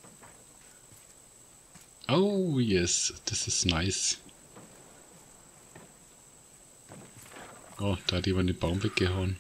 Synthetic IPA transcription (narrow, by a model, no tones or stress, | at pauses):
ʔoʊjɛsd̥asɪsnaɪs | ʔod̥aːhatimandeːnb̥aʊmvɛk̚ɡ̥əɦaʊən